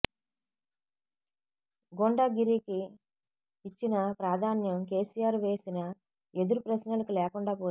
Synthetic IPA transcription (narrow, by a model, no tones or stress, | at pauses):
ɡoɳɖaɡiɾiki | it͡ʃːinɐpɾaːd̪ʱaːnjɐmke̞ːsijaːɾʋe̞ːsinɐ | e̞d̪uɾupɾɐsnɐlɐkilɛːkuɳɖaːpoː